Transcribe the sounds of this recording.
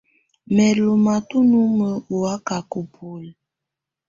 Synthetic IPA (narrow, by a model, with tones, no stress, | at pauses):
mɛ˨lu˨ma˨tu˦nu˦mə˦u˨a˦ka˨ku˨pʰu˨l